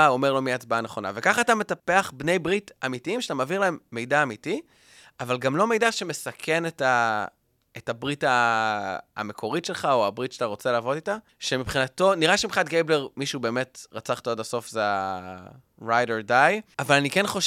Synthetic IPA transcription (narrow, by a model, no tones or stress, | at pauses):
aomeʁlo̞miat͡sbaaneχo̞na̰vekaχaːtame̞tapeaχbne̞jbʁitamitiimʃat̪amaːviʁlaemːe̞jdaːmiti | avalɡamlo̞me̞jdaʃeme̞sakʰe̞neta | etabʁita̰ː | me̞kʰo̞ʁitʃe̞lχaoabʁitʃataʁo̞t͡selaːvo̞tita | ʃe̞mipχinato̞niʁaʃemiχatɡejbleʁmiʃube̞ːme̞tʁat͡saχtaodaso̞fzea | ʁajdeʁdajavalanikenχo̞ʃ